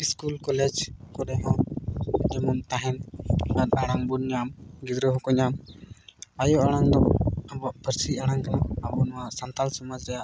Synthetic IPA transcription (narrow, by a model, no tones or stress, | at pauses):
iskulkɔlɛd͡ʒkɔɾɛɦɔ̃ | d͡ʒɛmumt̪aɦɛnat̪aɽ̃aŋbunɲamɡid̪ɾəɦɔ̃kɔɲam | ajɔʔaɽ̃aŋd̪ɔabɔʔpʰəɾsiaɽ̃aŋkanaabɔnɔwaʔsant̪alsɔmad͡ʒɾɛjaʔ